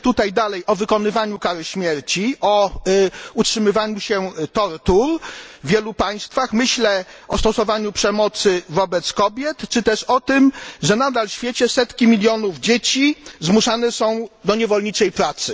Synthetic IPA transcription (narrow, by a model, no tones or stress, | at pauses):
t̪ut̪ajd̪alɛjʔɔvɘkɔnɘvaɲukaɾɘɕmʲjɛɾt͡ɕiʔɔ | utʂɘmɘvaɲuɕɛt̪ɔɾt̪uɾvʲjɛlupaj̃st̪faxmɘɕlɛʔɔst̪ɔsɔvaɲupʂɛmɔt̪sɘvɔbɛt̪skɔbʲjɛt̪t͡ʂɘt̪ɛʂɔt̪ɘmʐɛnad̪alɕfʲjet͡ɕɛsɛt̪kʲimʲilʲjɔnuvd͡ʑet͡ɕizmuʂanɛsɔ̃w̃d̪ɔɲɛvɔlɲit͡ʂɛjpɾat̪sɘ